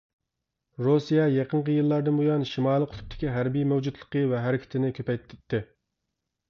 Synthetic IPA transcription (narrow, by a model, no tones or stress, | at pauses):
ɾosijɛjɑqənqəjɨlˠːɑɾd̪ɨnbojɑnʃimɑːlˠəqʰʊ̥t̪ʰp̚t̪ʰɪ̥kʲiɦæɾbijmæwd͡ʒut̪lˠə̥qəvɛɦæɾɪkʲʰɪ̥t̪ʰɪnɪkʲʰøpɛjt̪t̪ʰɪt̪ʰːɪ